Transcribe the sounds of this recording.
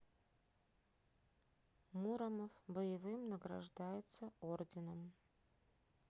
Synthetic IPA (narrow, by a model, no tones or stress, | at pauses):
muɾɐmɐfbəjɪvɨmnɐɡrɐ̰ʐd̪ajɪt̪sɐordʲɪnəm